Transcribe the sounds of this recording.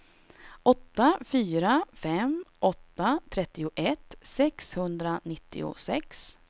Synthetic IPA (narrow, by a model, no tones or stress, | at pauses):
ʔɔt̪ːafyːɾafɛmʔɔt̪ːat̪ʰɾɛt̪ːɪʊʔɛt̪sɛkshɵnd̪ɾanɪt̪ːɪ̰ʊ̰sɛks